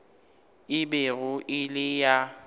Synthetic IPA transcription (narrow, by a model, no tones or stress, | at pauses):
ɪbeɣʊʔɪlɪja